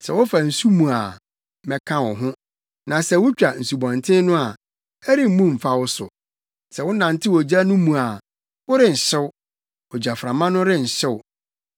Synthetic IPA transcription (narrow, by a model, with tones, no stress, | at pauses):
sɛ̰˨wʊ˦fa˨n̩˨su˦mũ˨a˨˦ | mɛ˨kʰã˦wɔ˨ɦʊ̃˦ | nã˨sɛ˨wʊ˦t͡ɕᶣa˨n̩˨su˨bɔ̃˨ntʰɪ̃˦nʊ̃˦a˨ | ɛ˦ɾi˦m̩˦mũ˦m̩˨fa˦wʊ˦sʊ̰˨ | sɛ˨wʊ˦nã˨n̩˨˦tʰɪ˦wɔ˨d͡ʑa˦nʊ̃˦mũ˨a˨ | wʊ˦ɾɪ˦n̩˨ɕɪ˦wʊ˦ | ɔ˨d͡ʑa˨fɾã˨mã˦nʊ̃˦ɾɪ˦n̩˨ɕɪ˦wʊ˦